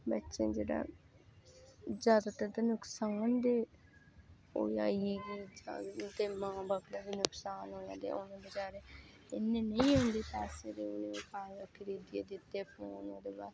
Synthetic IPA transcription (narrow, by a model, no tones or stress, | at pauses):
bətːʃḛ̃ːd͡ʒeːɽa̰ː | zjaːd̪aːt̪əɾt̪ənʊksaːnd̪eː | o̰ːia̰ːieːɡiːd͡ʒaːt̪eːmãːbəɡləbinʊksaːnɦoːã̰ːd̪ḛːʔʊnãːbət͡ʃaːɾeː | ɪnːẽːnəĩːɦʊ̃nd̪eːpɛːseːd̪eːʊnẽːpaːakʰəɾiːd̪ɪjeːd̪ɪt̪ːeːəpnẽːonã̰ːd̪eːbaːɾ